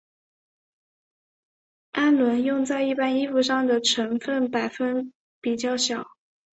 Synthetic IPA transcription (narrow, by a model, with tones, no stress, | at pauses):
a˥nlwə˧˥njʊ˥˧ŋt͡sa˥˧ɪi˥˩pa˥ni˥fu˥˧ʂɑ˥˩ŋd̪ə˩ʈ͡ʂʰə˧˥ŋfə˥˩npa˨˩ɪfə˥n | pi˨˩t͡ɕjɑ˥˩ʊɕjɑ˨˩˦ʊ